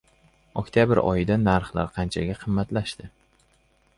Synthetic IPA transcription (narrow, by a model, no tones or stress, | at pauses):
ɒkʲt̪ʰjabɪɾɒ̰jɪd̪anaɾχla̰ɾqʰɑnt͡ʃʰaɡʲaqʰɨmːat̪laʃt̪ɪ